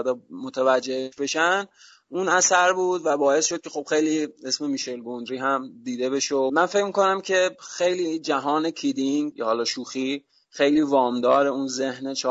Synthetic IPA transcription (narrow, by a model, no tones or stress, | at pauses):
d̪ɛmot̪ʰævæd͡ʒːeeʃbe̞ʃæn | ʔunæsæɾbuːd̪væbɒːe̞sʃo̥cʰe̞xob̥xe̞jliːe̞sme̞miʃe̞lɡond̪ɾiːɦæmd̪iːd̪e̞be̞ʃomænfe̞cmiko̞næmcʰe̞xe̞jliːd͡ʒæɦɒːne̞cʰid̪iŋjhɒlɒːʃuːxi | xejliːvɒːmd̪ɒːɾe̞unze̞hnet͡ʃʰɒː